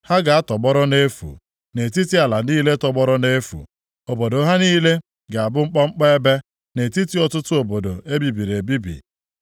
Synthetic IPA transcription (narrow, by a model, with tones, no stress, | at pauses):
ha˦ɡa˨a˦tɔ˨ɡ͡bɔ˦ɾɔ˦ne˦fṵ˨ | ne˨ti˦ti˦a˨la˨niː˦le˦tɔ˨ɡ͡bɔ˦ɾɔ˦ne˦fṵ˨ | o˨bo˨do˨˦ɦa˦niː˦le˦ | ɡa˨a˨bʊ˦ŋ͡m̩˦k͡pɔ˦ŋ͡m̩˦k͡pɔ˦e˦be˦ | ne˨ti˦ti˦ɔ˨tʊ˦tʊ˦o˨bo˨do˨ʔe˦bi˨bi˨ɾe˨bi˦bḭ˨